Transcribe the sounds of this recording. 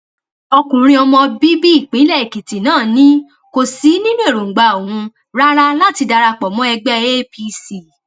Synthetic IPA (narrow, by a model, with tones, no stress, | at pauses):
ɔ˧kũ˨ɾ̃ĩ˧ɔ˧mɔ̃˧bi˦bi˦i˦˨k͡pĩ˨˦lɛ˦˨i˨ki˨ti˨nãː˦˨nĩ˦ | ko˨si˨˦nĩ˦nũ˦e˦˨ɾo˨ŋ̩˨ɡ͡ba˧˨o˨ũ˧ | ɾa˦ɾa˦la˦ti˧da˧ɾa˧k͡pɔ˨mɔ̃˦ɛ˧ɡ͡bɛ˦e˦pi˧si˨